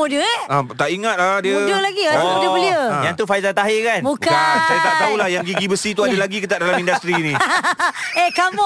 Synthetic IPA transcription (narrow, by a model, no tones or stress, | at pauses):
udəat̪aʔiŋat̪̚ladiədəlaɡiəbəliə̃jaŋt̪ufajzat̪aɦɪkanbukaakajit̪at̪aulahjaŋɡiibəsit̪uadəlaɡikit̪aʔdalammindast̪ɾiːnĩ | ekamu